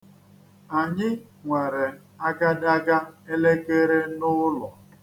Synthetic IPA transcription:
a˨ɲɪ˦ŋʷe˨ɾe˨ | a˦ɡa˦da˦ɡa˦e˦le˦ke˦ɾe˦nʊ˦lɔ˨

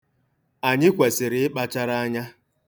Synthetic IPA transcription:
a˨ɲɪ˦kʷe˨sɪ˨ɾɪ˨ɪ˦k͡pa˦t͡ʃa˦ɾa˦a˦ɲa˦

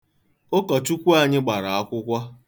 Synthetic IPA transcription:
o˦kɔ˨tu˦kʷu˦a˨ɲɪ˦ɡ͡ba˨ɾa˨a˦kʷʊ˦kʷa˦

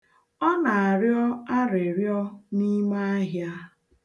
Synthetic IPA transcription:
ɔ˦na˨a˨ɾjɔ˦a˦ɾe˨ɾjɔ˦ni˦ma˦a˦ɦja˦

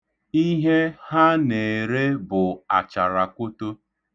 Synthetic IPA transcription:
i˦ɦe˦ha˦ne˨ɾe˦bʊ˨a˨t͡ʃa˨ɾa˨kʷo˦to˦

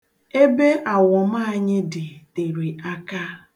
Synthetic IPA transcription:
e˦be˦ʔa˨wɔ˨m̩˦a˦a˦˨ɲɪ˦dɪ˨te˨ɾi˨a˦ka˦

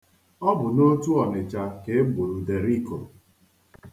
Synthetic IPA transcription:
ɔ˦bʊ˨no˦tu˦ɔ˨nɪ˨t͡ʃa˨ke˨e˦ɡ͡bo˨ɾu˨de˨ɾi˦˨ko˨

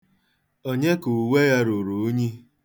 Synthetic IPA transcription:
o˦ɲe˦ku˨we˦ja˦ɾu˨ɾu˨˦ɲi˦

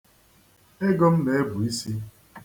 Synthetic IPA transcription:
e˦ɡɔ˦m̩˦le˨e˦bʊ˨i˦si˦

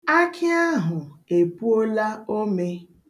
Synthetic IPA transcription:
a˦kʰɪ˦a˦ɦʊ˨e˨pu˦o˦la˦o˦me˦

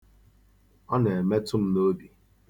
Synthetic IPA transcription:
ɔ˦ne˨e˨me˦tʊ˦m̩˦no˦di˨

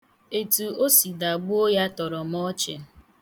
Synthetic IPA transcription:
e˨tu˨o˦si˨da˨ɡ͡bʊ˦o˦ja˦tɔ˨ɾɔ˨m˦ɔ˦t͡ʃḛ˨

